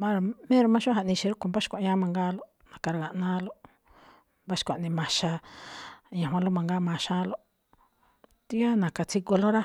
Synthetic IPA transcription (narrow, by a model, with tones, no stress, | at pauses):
ba˦ɾa˧mẽ˦ɾo˧mã˦ʃu˦ɦa˧ʔnĩ˧ʃi˧ɾo˦ko˧˨mba˦ʃi̥˦kʷa˨˧ɲã˦mã˧ŋɡaː˦lo˦ | nã˨ka˧ɾa˧ɣa˨ʔnãː˦lo˦ | mba˦ʃi̥˧kʷa̰˨nĩ˧mã˧ʃa˧ | ɲã˨ɦwã˧lo˦mã˧ŋɡaː˦mã˧ʃa˦lo˦ | t̪i˦a˦nã˨ka˧t͡si˧ko˧lo˦ɾa˦